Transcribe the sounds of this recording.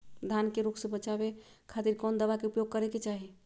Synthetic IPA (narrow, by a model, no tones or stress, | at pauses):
d̪ʱankeɾuksẽbət͡ʃabekʰat̪iɾkɔnd̪əbakeupjoɡ̚kəɾeket͡ʃaɦi